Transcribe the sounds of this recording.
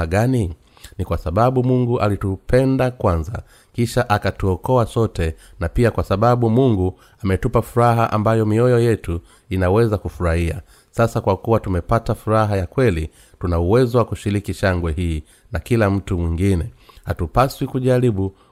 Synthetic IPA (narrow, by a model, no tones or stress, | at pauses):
aɡani | nikwasaɓaɓumuŋɡuʔalitupʰɛndakwanza̰ | kiʃaʔakatuɔkɔasɔtɛ | napiakwasaɓaɓumuŋɡu | amɛtupafuɾaɦaʔa̰mbajɔmiɔjɔjɛtu | inawɛzakufuɾahia̰ | sasakwakuwatumɛpatafuɾaɦajakwɛli | tunauwɛzɔwakuʃiɾikiʃaŋɡwɛɦiː | nakilam̩tumwiŋɡinɛhatupaswikuʄaɾiɓu